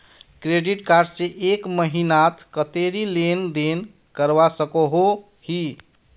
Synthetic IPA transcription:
kɾeɖiʈkaɾɖseʔekməɦinat̪ʰkət̪eɾilend̪en | kəɾbasəkəɦo | hi

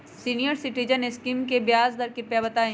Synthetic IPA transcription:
siːnijəɾsɪʈid͡ʒənɪskimkebjaːzd̪ɐɾkɪɾpɛbɐt̪aːẽ

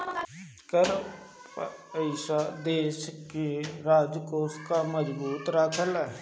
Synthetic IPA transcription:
kəɾ | pəɪʃad̪eːʃkeɾaːd͡ʒkoːskaməd͡ʒbuːt̪ɾaːkʰəl

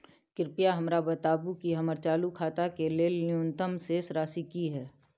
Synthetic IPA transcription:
kɪɾpijaɦɐmɾabət̪aːbukiɦɐməɾt͡ʃaːlukʰaːt̪akeleljuːnt̪əmsesɾaːsikiɦɛː

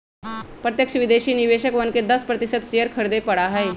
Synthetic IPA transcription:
pɾət̪jəkʃəʋɪd̪eːʃiːnɪʋeːʃəkʋənked̪əspɾət̪ɪsət̪t͡ʃejəɾkʰəɾd̪epɐɽaɦəe

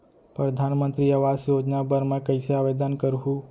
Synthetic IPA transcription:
pɾəd̪ʱanmənt̪ɾiəʋasjod͡ʒnabəɾmẽkəjsaʋed̪ankəɾɦũ

